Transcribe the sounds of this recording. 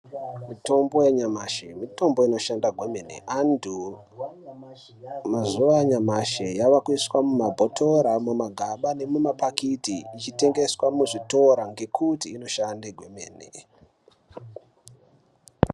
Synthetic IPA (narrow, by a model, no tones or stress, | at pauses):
mito̞mbo̞jaɲamaʃemito̞mbo̞ino̞ʃandaɡʱweme̞nḛandu | mazuʋajaɲamaʃejaʋakwiswamumabʱotʰo̞ɾamumaɡʱaɓane̞mumapakitiːt͡ʃite̞ŋɡe̞swamuʐito̞ɾaŋɡe̞kʰutiːno̞ʃandeɡʱwe̞mḛːnḛ